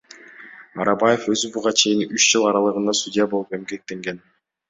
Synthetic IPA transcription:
ɑɾɑbɑje̞fø̞zybuʁɑt͡ʃʰe̞jinyt͡ʃd͡ʒɯlˠɑɾɑlˠɯʁɯnd̪ɑsudʲijabo̞lˠupe̞mɡe̞k̚t̪e̞ŋɡe̞n

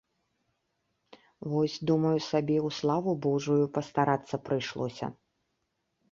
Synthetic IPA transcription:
vɔsʲd̪umɐjusabʲɛuslˠavubɔʐujupɐst̪aɾat̪sːɐpɾɨjʂlˠɔsʲɐ̰

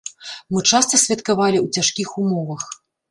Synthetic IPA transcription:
mɨt͡ʂast̪ɐsʲvʲɐt̪kavalʲiwt͡sʲaʂkʲixumɔvɐx

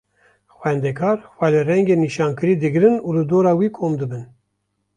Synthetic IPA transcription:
xwɛnd̪ɛkʰɑːɾxwɛlerɛŋɡeːniʃɑːnkɨɾiːd̪ɨɡɾɨnuːlɨd̪oːɾɑːwiːkʰoːmd̪ɨbɨn

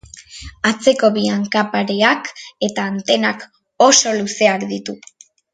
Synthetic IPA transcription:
at͡se̞ko̞βiaŋkapaɾeake̞t̪aːnt̪e̞nak | o̞so̞luse̞akd̪it̪u

